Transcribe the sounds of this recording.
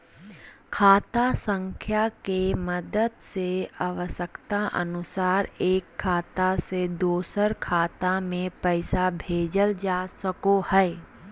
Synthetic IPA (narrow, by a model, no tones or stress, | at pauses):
kʰaːt̪asə̃ŋkʰjakeməd̪əd̪seaʋəsəkt̪aʔə̰nʊsaːɾeːkʰːaːt̪ased̪oːsəɾkʰaːt̪amẽpɛɪsabʱeːd͡ʒəld͡ʒaːsəkohɛː